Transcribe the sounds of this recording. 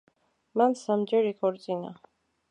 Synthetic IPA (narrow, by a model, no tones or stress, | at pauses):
mansamd͡ʒɛɾikʰɔɾt͡sʼina̰